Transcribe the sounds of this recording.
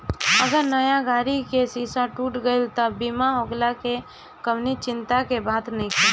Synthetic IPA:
əɡəɾnəjaɡaːɾikesisaʈuːʈɡəɪlt̪əbimaɦoɡlake | kəmnit͡ʃɪnt̪akebat̪nikʰ

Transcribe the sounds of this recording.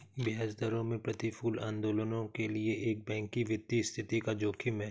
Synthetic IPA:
bɪɦaːzd̪əɾõmẽpɾɐt̪ifuːlã̰ːnd̪oːlənõkelieʔeːk̚bɛ̃ːŋkiʋɪt̪ːist̪ʰɪt̪ikad͡ʒoːkʰimɛ̃

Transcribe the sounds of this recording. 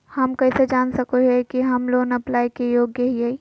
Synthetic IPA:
hɐmkɐɪsed͡ʒaːnsɐkoɦɛkiɦɐmloːnɐplaːjkejoːɡjəɦiai

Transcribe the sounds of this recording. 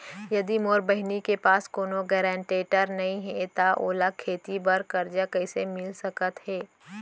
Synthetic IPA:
jɐd̪imoːɾbəɦnikepaːskoːnoɡɛːɾɛ̃ːɳʈeːʈəɾnɐɦĩɦɛt̪aʔoːlakʰeːt̪ibɐɾkɐɾd͡ʒakɛːsemɪlsɐkət̪ɦɛː

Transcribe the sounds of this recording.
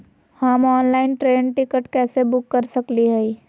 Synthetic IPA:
hamɔːnlaːɪnʈɾeːnʈɪkəʈkɛːsebʊkːɐɾsɐkliɦɛi

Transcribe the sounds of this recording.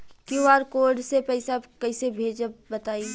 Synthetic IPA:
kũaːɾkoːɾɖsepɛɪsakɐɪsebʱeːd͡ʒbət̪aːi

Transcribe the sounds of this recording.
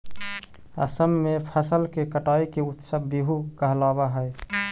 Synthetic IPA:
ə̰səmːepʰəsəlkekəʈaːikeut̪səbbiɦukəɦlabaɦəj

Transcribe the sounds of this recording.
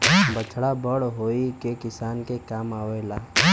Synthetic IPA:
bət͡ʃʰɽabəɽɦoːikekɪsaːnkekaːmaːʋelaː

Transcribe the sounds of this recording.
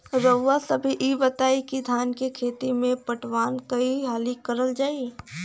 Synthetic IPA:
ɾəːasəbʱiʔibət̪aːikid̪ʱaːnkekʰeːt̪imẽpəʈʰwaːnkɐiɦaːlikəɾəld͡ʒaːi

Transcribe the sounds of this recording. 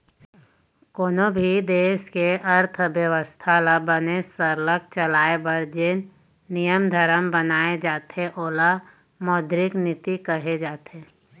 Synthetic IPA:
koːnobʱid̪eːʃkeʔɐɾt̪ʰəʋjəʋəst̪ʰalabənesəɾlək̚t͡ʃəlaːebəɾd͡ʒenː | ijəmd̪ʱəɾəmbənaːed͡ʒaːt̪eʔoːla | mɔːd̪ɾɪknɪt̪ikəɦed͡ʒaːt̪eː

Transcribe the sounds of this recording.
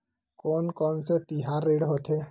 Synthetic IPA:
kɔːnkɔːnset̪iɦaɾːeːɽɦot̪ʰe

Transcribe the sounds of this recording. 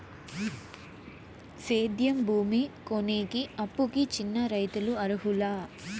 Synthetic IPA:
seːd̪jɐmbʱuːmikoneːkiɐpːukit͡ʃinːɐɾɐjt̪uluɐɾuɦulaː

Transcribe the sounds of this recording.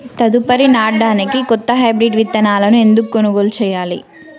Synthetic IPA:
t̪ɐd̪upɐɾinaːɖaːnikikɔt̪ːɐɦaːbɾiʈʋit̪ːɐnaːlɐnue̞nd̪ukukonuɡoːlut͡ʃɛːjaːlḭ

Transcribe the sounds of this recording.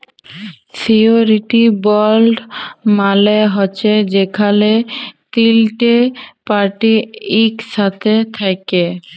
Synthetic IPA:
sioɾiʈibɔlɖmaleɦɔːɕʰed͡ʑekʰalet̪ilʈepaɾʈiikʃat̪ʰet̪ʰake

